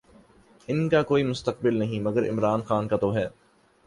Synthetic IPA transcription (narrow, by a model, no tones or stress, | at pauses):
ɪnkakoːimʊst̪əq̚bɪlnɐɦĩmɐɡəɾɪ̰mɾaːnxaːnkat̪oɦɛː